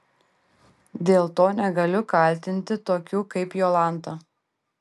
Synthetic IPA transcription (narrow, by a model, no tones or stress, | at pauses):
d̪ʲeːlˠt̪oːnʲɛɡɐlʲʊkɐˑlʲt̪ʲɪnʲt̪ʲɪt̪oːkʲuːkɐɪpjoːlˠɑˑnt̪ɐ